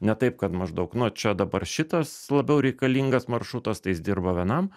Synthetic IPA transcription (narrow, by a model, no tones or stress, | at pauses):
nʲɛt̪ɐɪpkɐt̪mɐʒd̪ɐʊknʊt͡ʃʲɛd̪ɐbɐrʃʲɪt̪ɐslˠɐbʲɛʊɾʲɛɪkɐlʲiŋɡɐsmɐrʃɾʊt̪ɐst̪ɐɪjɪsd̪ʲɪrbɐʋʲiɛnɐm